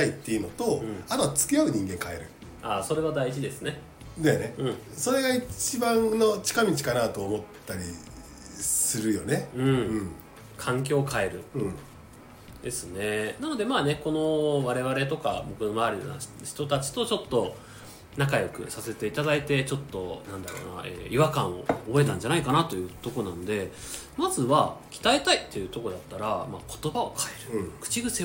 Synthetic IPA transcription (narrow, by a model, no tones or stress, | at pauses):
ait̪ːe̞jɯ̟no̞t̪o̞ɯ̃at̪ot͡sɨ̥kijaɯ̟ɲ̟ĩŋɡẽ̞ŋkae̞ɾɯ̟ | aːso̞ɾe̞β̞ad̪ait͡ɕid̪e̞sɨne̞ | d̪aneɯ̟̃ɴso̞ɾe̞ɡait͡ɕibãnno̞t͡ɕi̥kamʲit͡ɕi̥kanat̪o̞ːmo̞t̪ːaɾʲḭ | sɨɾɯ̟jo̞ne̞ɯ̟̃ɴɯ̃ɴ | kʰãŋk̬ʲo̞ːkae̞ɾɯ̟ɯ̃ | d̪e̞sɨne̞nano̞d̪e̞maːne̞ko̞no̞βaɾe̞βaɾe̞t̪o̞ka̰bo̞kɯ̟no̞maːɾʲina̰çi̥t̪o̞t̪at͡ɕi̥t̪o̞t͡ɕo̞t̪ːo̞ | nakajo̞kɯ̟̰sase̞t̪e̞it̪ad̪ait̪e̞t͡ɕo̞t̪ːo̞nãnd̪aɾo̰ːna̰ʔḛːiβakãɰ̃o̞̰ːbo̞e̞t̪ãɲ̟d͡ʑanaikanat̪o̞jɯ̟ːt̪o̞ko̞nãno̞d̪e̞ | mazɨβakʲi̥t̪aet̪ait̪ːe̞jɯ̟t̪o̞ko̞d̪at̪ːaɾamakʰo̞̥t̪o̞bao̞kʰae̞ɾɯ̟kɯ̟̥t͡ɕiɡɯ̟se